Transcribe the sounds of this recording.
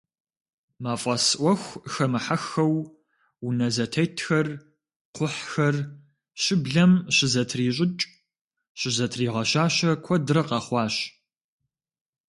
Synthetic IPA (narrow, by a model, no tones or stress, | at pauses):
maːfʼɐsʔʷɔxʷxɐmɨħaxɐw | unɐzɐtʰɐjtʰxɐr | qʷʊħxɐr | ɕɪbɮɐmɕɪzɐtʰriːɕ̬ʼɪt͡ʃʼ | ɕɪzɐtʰriːʁɐɕaːɕɐkʷʰɔdɾɐqɑχʷɑːɕ